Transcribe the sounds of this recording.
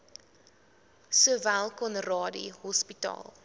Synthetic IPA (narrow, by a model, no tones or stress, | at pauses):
suəvælˠkɔnrɑːdḭɦɔspitɑ̰ːlˠ